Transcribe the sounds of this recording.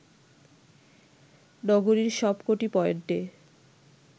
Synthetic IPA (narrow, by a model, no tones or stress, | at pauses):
nɔɡoɾiɾʃɔbkoʈipɔeonʈe